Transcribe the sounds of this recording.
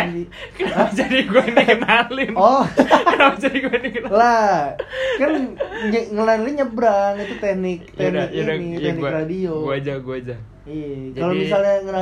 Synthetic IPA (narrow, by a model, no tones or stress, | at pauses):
i | kənaad͡ʒadiɡuaindikənalɪnɔkənamad͡ʒadiɡuainikənala | kanɲəŋəlaliɲəbɾaŋit̪ut̪ɛhnɪk̚t̪ɛnɪk̚niɛhnɪkradiouad͡ʒaɡuad͡ʒa | iakalomisalɲaŋəna